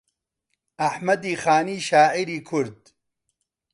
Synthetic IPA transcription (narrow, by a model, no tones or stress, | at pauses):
ɐħmɐd̪iːxaːniːʃaːʕiɾiːkʰʊɾd̪